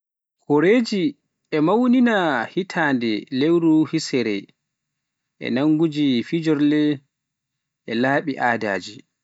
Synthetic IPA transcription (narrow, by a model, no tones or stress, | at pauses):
kʰɔɾeːd͡ʒi | ɛmawninahitʰaːndɛlewɾuhisɛɾɛ | ʔɛ̰naŋɡud͡ʒifid͡ʒɔɾlɛ | ɛlaːɓiʔaːda̰ːd͡ʒi